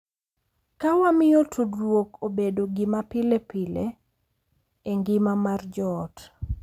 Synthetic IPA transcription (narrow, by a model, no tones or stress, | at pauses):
kawamɪjotʰudwokobedoɡimapilepile | eŋɡɪmamard͡ʒɔt